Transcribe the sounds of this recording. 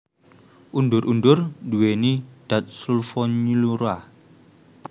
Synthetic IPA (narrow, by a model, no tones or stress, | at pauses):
ʔunduɾʔundurduwenid̥at̪̚sulfɔɲiluɾa